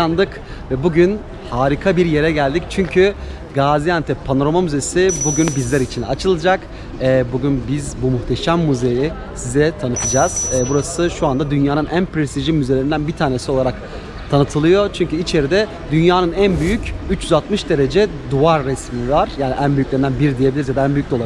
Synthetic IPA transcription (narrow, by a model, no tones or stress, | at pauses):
and̪ɯk | vɛbuɟyn | haːɾikʰabiɾje̞ɾɛɟælʲd̪ict͡ʃʰyɲcʰy | ɡaːzijant̪ʰɛpʰano̞ɾomamyzesibuɟynbizlʲæɾit͡ʃʰinat͡ʃʰɯlˠɯd͡ʒak | ɛːbuɟynbizbumuxt̪ʰeʃæmːuze̞ji | sizɛt̪ʰanɯt̪ʰɯd͡ʒaːz̥ɛːbuɾasɯʃuand̪ad̪ynjaːnɯnʔænpɾest̪ʰiʒimːyzelʲe̞ɾind̪ænbit̪ʰaːne̞sio̞lˠaɾak | t̪ʰanɯt̪ʰɯlˠɯjo̞t͡ʃʰyɲcʰyit͡ʃʰe̞ɾid̪ɛ | d̪ynjaːnɯnænbyjycyt͡ʃjyzalˠt̪mɯʃd̪e̞ɾe̞d͡ʒɛ | d̪uaɾːɛsmivaɾ̥jaːniʔænbyjyclʲe̞ɾind̪ænbiɾid̪ijebilʲiɾzjad̪aænbyjyc̚d̪olˠa